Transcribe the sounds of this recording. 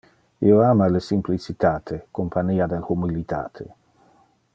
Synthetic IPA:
ḭoaːmalesimplit͡sit̪aːt̪ʰekompʰaniːad̪elhumilit̪ʰa̰ːt̪ʰḛ

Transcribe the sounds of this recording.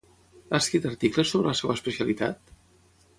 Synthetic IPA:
askɾit̪ərt̪ikləsoβɾələsewəspəsiəlit̪a̰t̪

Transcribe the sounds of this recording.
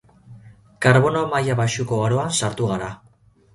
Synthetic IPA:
kaɾβo̞nomajaβaʃuko̞aɾo̞ansaɾt̪uɣaɾa

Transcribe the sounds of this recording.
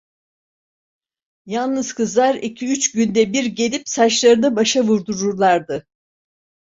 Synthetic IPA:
jalˠnɯzkɯzlˠaɾicʰiyt͡ʃɟynd̪ɛbiɾɟe̞lʲipsaʃlˠaɾɯnɯbaʃavuɾd̪uɾuɾlˠaɾd̪ɯ

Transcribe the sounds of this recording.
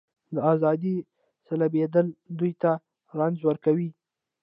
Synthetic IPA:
d̪əazɑd̪i | salabed̪əld̪ujt̪a | ɾand͡ʒwəɾkawi

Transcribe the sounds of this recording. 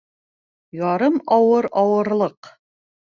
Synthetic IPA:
jɑɾɤmɑwɤɾɑwɤ̆ɾlˠɤq

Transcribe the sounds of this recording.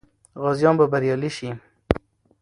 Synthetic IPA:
ɣɑzjɑmbabaɾjɑliʃi

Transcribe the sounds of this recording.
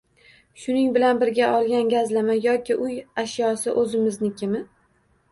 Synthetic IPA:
ʃʊnɪŋbɪlanbɪɾɡʲaʔɒlˠɡʲanɡʲazlamajɒkʲɪʔʊjaʃjɒsɪʔɵzɪmɪznɪkʲʰɪmɪ

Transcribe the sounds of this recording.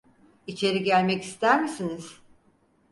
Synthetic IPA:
it͡ʃʰe̞ɾiɟælʲmɛcist̪ʰæɾmisiniz̥

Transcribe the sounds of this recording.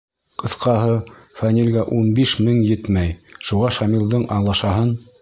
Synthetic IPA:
qʰɤ̆θqɑɦɤfænʲilʲɡæʔunbiʃmɘŋjɘt̪mæjʃuʁɑʃɑmilˠd̪ɤɴʔɑɴlˠɑʃɑɦɤn

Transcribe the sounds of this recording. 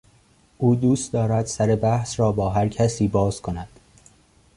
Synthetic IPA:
ʔuːd̪uːst̪d̪ɒːɾæd̪̥sæɾe̞bæhsɾɒːbɒːɦæɾcʰæsiːbɒːz̥kʰo̞næd̪̥

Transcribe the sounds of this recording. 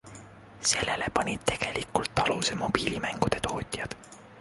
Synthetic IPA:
se̞lːelepɑnʲid̪̥t̪e̞ɡ̥e̞likult̪ːɑlusemo̞b̥iːlimæŋɡ̥ud̪̥e̞t̪ʰo̞ːt̪ʲˑjɑd̪̥

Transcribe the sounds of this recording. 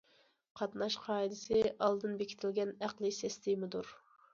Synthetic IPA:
qʰɑt̪nɑʃqʰɑːid̪ɪsɪʔɑlˠd̪ɨnbekʲʰɪ̥t̪ʰɪlɡʲɛnæqlˠɨsɛst̪ʰɪmɨd̪uɾ

